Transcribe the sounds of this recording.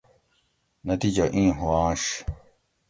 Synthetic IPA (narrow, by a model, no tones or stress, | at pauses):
nɐt̪iːd͡ʑɐʔĩːɦuãːɕ